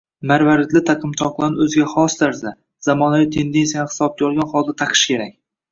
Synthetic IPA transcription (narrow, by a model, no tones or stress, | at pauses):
maɾvaɾɪt̪lɪt̪ʰaqʰɨmt̪ʰɒqlˠanɵzɡʲaχɒst̪ʰaɾza | z̥amɒnavit̪ʰe̞nd̪ensijanhɪ̥sɒb̚k̪ʲjɒlˠɡʲanχɒlˠd̪at̪ʰɑqʰɨ̥ʃkʲe̞ɾak̚ʲ